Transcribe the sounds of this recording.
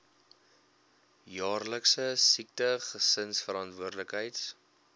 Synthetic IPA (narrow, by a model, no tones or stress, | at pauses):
jɑːrləksəsik̚təχəsənsfəɾɑntvuərdləkɦəjt